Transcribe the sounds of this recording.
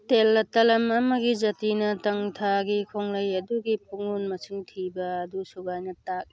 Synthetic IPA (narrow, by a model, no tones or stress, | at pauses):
telːɐtɐlɐmɐmɐɡizɐtinɐtɐŋtʰaɡikʰoŋlɐjɐduɡip̚ʰuŋunmɐsiŋtʰibɐːdusuɡajnɐtak̚